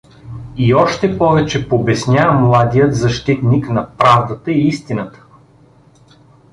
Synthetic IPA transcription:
iɔʃt̪ɛpɔvɛt͡ʃɛpobɛsnʲjamlˠad̪ijət̪zɐʃt̪it̪niknɐpɾavd̪ət̪əiist̪inət̪ə̥

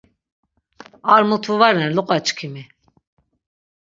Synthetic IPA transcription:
aɾmut̪ʰuvaɾɛnluqʼat͡ʃʼkʰimi

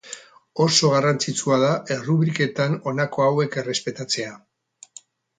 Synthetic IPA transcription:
o̞so̞ɣ̞arant͡sit͡suað̞aʔe̞ruβɾike̞t̪ano̞nako̞awe̞ke̞re̞spe̞t̪at͡se̞a

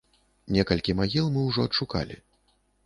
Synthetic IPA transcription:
nʲɛkɐlʲkʲimaɣʲilˠmɨwʐɔɐt̪ʂuka̰lʲḭ

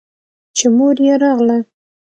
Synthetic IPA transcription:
t͡ʃemoɾjeɾɑɣla

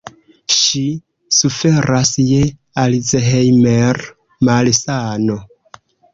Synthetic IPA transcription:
ʃi | sufe̞ɾasje | alizeɦejmeɾ | malsano̞

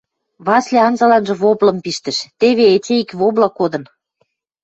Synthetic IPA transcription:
βɑslʲeɑnzɑlɑnʒɤ̆βoblɤ̆mpiʃt̪ə̆ʃt̪eβeet͡ɕeikβoblɑkod̪ə̆n

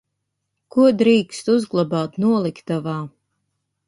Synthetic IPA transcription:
kuɔd̪ɾiːkst̪uzɡlˠabaːt̪nuɔlˠikt̪avaː

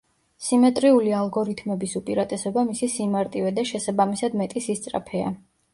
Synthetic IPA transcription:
simɛt̪ʼɾiulialˠɡɔɾit̪ʰmɛbisupʼiɾat̪ʼɛsɛbamisisimaɾt̪ʼivɛd̪aʃɛsabamisad̪mɛt̪ʼisist̪sʼɾa̰pʰɛa̰

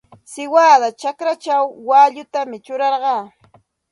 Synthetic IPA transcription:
sɪwaːðat͡ʃakɾat͡ʃawːaːʎʊt̪amɪt͡ʃʊɾɑɾɢɑː

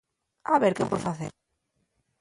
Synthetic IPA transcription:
aβeɾkepweðfaθḛɾ

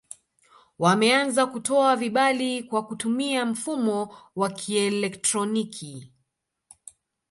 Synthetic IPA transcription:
wamɛanzakutɔaviɓalikwakutumiam̩fumɔwakʰiɛlɛktɾɔnikʰi

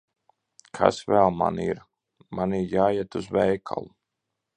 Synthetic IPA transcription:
kʰa̰svɛlˠma̰niɾ | maniɾjaːjɛt̪uzvɛjkʰa̰lˠu

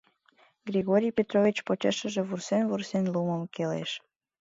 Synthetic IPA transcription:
ɡɾʲiɣoɾʲijpʲet̪ɾovʲit͡ɕpot͡ɕeʃə̆ʒĕβursenvursenluməmkelḛʃ

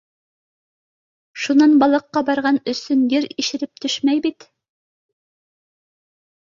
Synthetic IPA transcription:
ʃunɑnbɑlˠɤ̆qːɑbɑɾʁɑnɵ̆sɵnjɘɾiʃɘ̆ɾɘp̚t̪ɵʃmæjbit̪

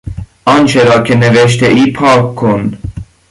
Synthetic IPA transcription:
ɒnt͡ʃʰeɾɒːcʰeneveʃt̪ʰeʔiːpʰɑːkkʰːon

